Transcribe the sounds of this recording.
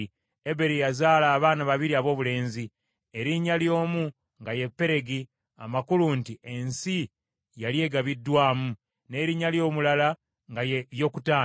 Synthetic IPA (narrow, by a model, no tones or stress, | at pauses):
ebe̞ɾijazaːlaːβaːnaβaβiɾiaβo̞ːβule̞ːnzi | eɾiɲːaljo̞ːmu | ŋɡaje̞pːe̞ɾe̞ɡi | a̰makuluntiensi | jalje̞ːɡaβidːwaːmu | ne̞ːɾiɲːaljo̞ːmulala | ŋɡajo̞ːkutaː